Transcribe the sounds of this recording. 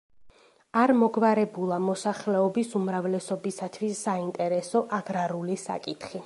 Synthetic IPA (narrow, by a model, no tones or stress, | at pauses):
aɾmɔɡvaɾɛbulˠamɔsaχlɛɔbisumɾavlɛsɔbisat̪ʰwisːaint̪ʼɛɾɛsɔʔaɡɾaɾulisa̰kʼit̪ʰχi